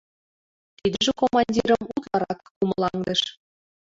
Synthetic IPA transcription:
t̪id̪əʒĕkomɑnʲdʲiɾə̆mut̪lˠɑɾɑkːumɤ̆lˠɑŋd̪ɤ̆ʃ

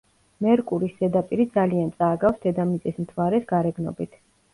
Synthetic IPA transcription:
mɛɾkʼuɾisdɛd̪apʼiɾid̪zaliant̪sʼaːɡafsd̪ɛd̪amit̪sʼismt̪ʰvaɾɛsɡaɾɛɡnɔ̰bit̪ʰ

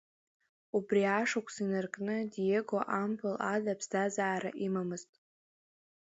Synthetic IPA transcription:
ubriaʂakʷʰsinarkʼnɨdijeɡoʔampʷʊladapʰsdazaːɾa̰ʔimamɨztʼ

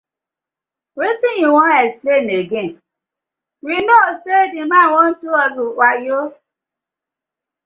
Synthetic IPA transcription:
ɾetĩjĩw̃ɔ̃ɛspleneɡẽ | ɾinosedĩmãːwɔ̃n̩tuɔzũwajo

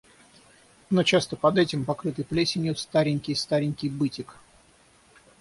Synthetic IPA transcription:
no̞t͡ɕast̪əpɐd̪ɛtʲɪmpɐkɾɨt̪ɨjplʲesʲɪnʲut̪st̪aɾʲɪnʲkʲɪjst̪aɾʲɪnʲkʲɪjbɨtʲɪk

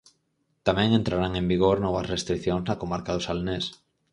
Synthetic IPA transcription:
t̪amɛ̃ŋẽnt̪ɾaɾaŋẽmbiɣ̞oɾnɔβɐsrest̪ɾikθjoŋznakomaɾkaðʊsalnes

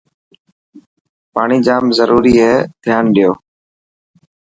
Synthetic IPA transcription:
paːɳiːd͡ʒaːmzəɾuːɾiːɦɛːd̪ʱjaːnɗɪjoː

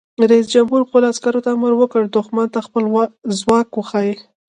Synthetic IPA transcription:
ɾaisd͡ʒamɦuɾpoloaskaɾot̪aaməɾwəkəɽd̪oxmɑnt̪axpəlzwɑkwəxɑji

